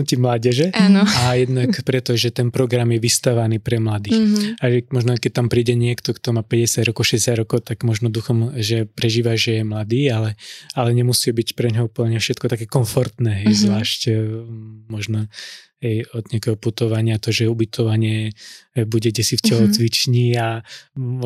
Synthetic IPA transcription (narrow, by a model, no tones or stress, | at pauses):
cimlaːɟɛʒɛʔanɔajɛd̪nakpɾɛt̪ɔʒɛt̪ɛnpɾɔɡɾamjɛʋist̪aʋaniːpɾɛmlad̪iːxaʒɛmɔʒnɔkɛc̚t̪ampɾiːɟɛɲɪɛkt̪ɔkt̪ɔmaːpɛɟɛsjaɟɾɔkɔʊʃɛɟɛsjaɟɾɔkɔʊt̪aɡmɔʒnɔd̪uxɔmʒɛpɾɛʒiːʋaʒɛjɛmlad̪iːalɛalɛɲɛmusiibicpɾɛɲɦɔupl̩ɲɛfʃɛt̪kɔt̪akɛːkɔɱfɔɾt̪nɛɦɛjzʋlaːʃc | mɔʒnɔɦɛjɔd̪̚ɲɪakɛːɦɔput̪ɔʋaɲɪat̪ɔʒɛubit̪ʰɔʋaɲɪɛ | buɟɛɟɛsifcɛlɔt͡sʋit͡ʃɲia